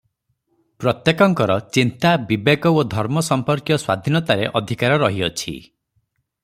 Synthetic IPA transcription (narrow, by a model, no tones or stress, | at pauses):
pɾɔt̪jekɔŋkɔɾɔt͡ʃint̪abibeɡɔod̪ʱɔɾmɔsɔmpɔɾkjɔswa̰d̪ʱinɔt̪aɾeʔɔd̪ʱikaɾɔɾɔɦiɔt͡ʃʰḭ